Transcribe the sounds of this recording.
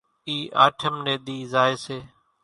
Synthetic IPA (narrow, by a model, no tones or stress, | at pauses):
iːʔa̰ːʈʰəmnẽːɗ̪iːzaːeːseː